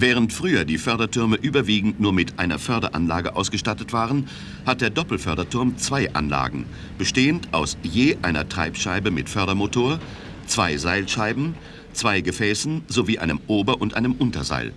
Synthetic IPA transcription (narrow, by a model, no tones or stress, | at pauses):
vɛːʁ̞əntfʁ̥yːɐdiːfœɐdɐtʰʏɐməʔyːbɐviːɡŋ̩tnuːɐmɪtʔaɪnɐ̰fœɐdɐ̰ʔa̰nlaːɡəʔaʊsɡ̥əʃtatətv̥aːʁən | hat̚d̥eːɐdɔpl̩fœɐɾɐtʰʊɐmt͡sv̥aɪʔa̰nla̰ːɡŋ̩ | b̥əʃteːəntʰʔa̰ʊsjeːʔaɪnɐ̰tʁ̥a̰ɪpʃaɪbəmɪtfœɐɾɐmotʰoːɐ | t͡sv̥aɪzaɪlʃaɪbm̩ | t͡sv̥aɪɡəfɛːsn̩zoviːʔa̰ɪnəmʔoːbɐʔʊntʔa̰ɪnəmʔʊntɐ̰za̰ɪl